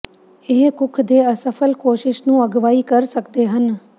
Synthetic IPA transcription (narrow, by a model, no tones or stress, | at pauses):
ɪɦkʊkʰd̪eːəsəpʰəlkoːʃɪʃnũːəɡʋaːiːkəɾsəkd̪eːɦən